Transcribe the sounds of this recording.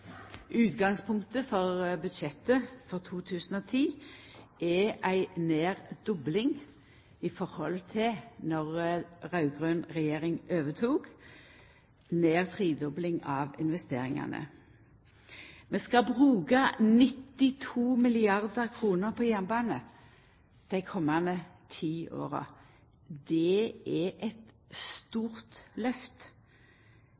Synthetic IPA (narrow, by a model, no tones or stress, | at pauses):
ʉːt̪ɡɑŋspʰʊŋkt̪əfɔʁbʉd̪ʃɛt̪əfɔʁt̪ʰuːt̪ʰʉːsən̩oːt̪ʰiːʔɛʔæɪneːʁd̪ʊblɪŋ | ɪfɔʁhɔ̰lt̪ʰɪnɔʁʁɑʉɡʁøːnʁɛjeːʁɪŋøːʋət̪ʰuːɡ̥ | neːʁt̪ʰʁiːd̪ɔblɪŋɑːʋɪnʋɛst̪eːʁɪŋɑ̰nə̰ | meːskɑbʁʉːɡɑnɪt̪ːɪt̪ʰuːmɪlɪɑʁd̪əʁkʰʁuːnəʁpʰɔːjænbɑːnə | d̪̥æɪkʰɔmːɑnət̪ʰiːʔo̰ːʁə̰ | d̪ɛɛʔɛt̪ | st̪uːʁt̪lœft̪